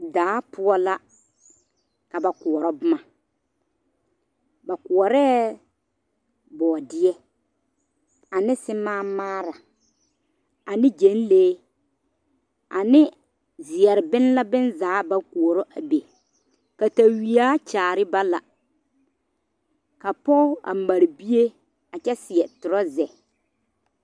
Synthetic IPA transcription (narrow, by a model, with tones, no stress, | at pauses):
daː˨˦pʊ˦ɔ˦la˦ | ka˨ba˨ku˨ɔ˨ɾɔ˦bʊ˦ma˨ | ba˨ku˨ɔ˨ɾɛː˦ | bɔː˨dɪ˦ɛ˦ | a˨nɪ˦sɪ˦maː˦maː˦ɾa˨ | a˨nɪ˦d͡ʒe˨˦n˦leː˦ | a˨nɪ˦ | zɪ˨ɛ˨ɾɪ˨bɪ˦n˦la˦bɪ˦nzaː˨˦ba˦˨ku˨ɔ˨ɾɔ˦ʔa˨be˨ | ka˨ta˨wi˨aː˦t͡ʃaː˨ɾɪ˦ba˦la̰˨ | ka˨pɔ˦a̰˨ma˨ɾi˨bi˦je˦ | a˨t͡ʃɛ˦sɪ˨ɛ˨tʊ˨ɾɔ˦zɛ˨